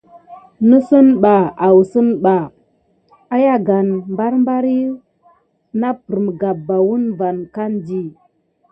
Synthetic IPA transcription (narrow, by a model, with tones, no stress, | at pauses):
nə˦sə˦nɓa˨a˨wu˨sə˦nɓa˨ | a˦ja˦ɡa˨nmba˦ɾmba˦ɾi˦ | na˦pə˨ɾmə˨ɡa˨bːa˨wu˦nva˨nka˦ndi˦